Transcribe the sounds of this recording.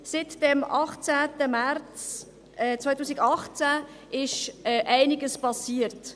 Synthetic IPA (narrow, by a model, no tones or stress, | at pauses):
sɪtd̥ɛmɑχt͡sæːtəmært͡s | ɛt͡sʋajtuːsiɡɑχt͡sæ | ɪʃɛʔæɪnɪɡəspɑsiːəɾt